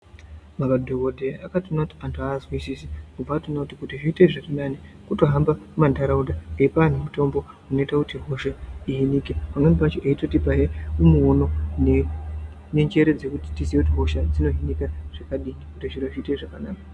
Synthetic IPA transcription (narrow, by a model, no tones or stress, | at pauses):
makadʱo̞ɡo̞dʱeakatonakuti̥antʰazwisisikuvatonakutikutiʐiːteʐakanani | kuto̞ɦambamandaɾaudaŋɡeipaan̤umuto̞mbo̞ | uno̞itakutiɦo̞ʃaiɦinikepaŋwenipat͡ʃoʔeito̞tipaɦeumuono̞ne | neɲd͡ʒe̞ɾe̞d͡ze̞kuti̥tisieutiɦo̞ʃad͡zino̞ɦinikaʐ̥akaɗiikutiʐiɾoʐiːteʐakanaːka